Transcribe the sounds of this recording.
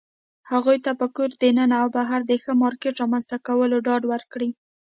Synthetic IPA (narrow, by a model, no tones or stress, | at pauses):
haɣujt̪apəkuɾd̪ənənaawbaɦaɾd̪əxəmɑɾkeʈɾɑmanzt̪akawəloɖɑɖwəɾkɽi